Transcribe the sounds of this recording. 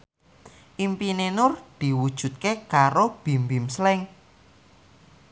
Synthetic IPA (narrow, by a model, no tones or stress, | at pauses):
ʔimpinenʊrd̪̥i̤wud̥ʒ̥ṳt̪̚kekaɾob̥i̤mbimslɪŋ